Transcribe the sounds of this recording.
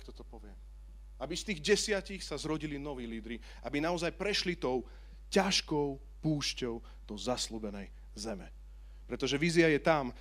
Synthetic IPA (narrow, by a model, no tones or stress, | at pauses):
kt̪ɔt̪ɔpɔʋɪɛm | abist̪iːɣɟɛsɪacixsazɾɔɟilinɔʋiːliːd̪ɾi | abinaɔzajpɾɛʃlit̪ɔʊ | caʃkɔʊ | puːʃcɔʊ | d̪̥ɔzasluːbɛnɛj | zɛmɛ | pɾɛt̪ɔʒɛʋiːziajɛt̪am